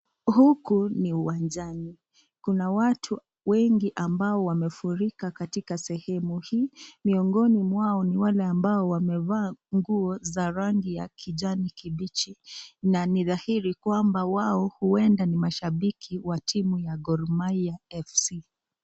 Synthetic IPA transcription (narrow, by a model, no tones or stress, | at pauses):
hukuniuwand͡ʒani | kunawatʰu | wɛŋɡiʔambaɔwamɛfuɾikakatikasɛhɛmuhiːmiɔŋɡɔnimwaɔniwalɛambaɔwamɛvaːŋɡuɔzaɾaŋɡija̰kʰid͡ʒanikiɓit͡ʃinaniðahiɾikwambawaɔhuɛndanimaʃaɓikʰiwatʰimujaɡɔɾmaiaɛfsi